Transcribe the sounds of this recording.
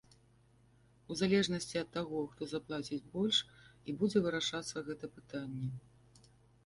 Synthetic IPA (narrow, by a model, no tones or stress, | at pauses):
uzalʲɛʐnɐsʲt͡sʲiɐt̪ːaɣɔxt̪ɔzaplˠat͡sʲid͡zʲbɔlʲʂibud͡zʲɛvɨɾaʂat̪sːɐɣɛt̪ɐpɨt̪anʲːɛ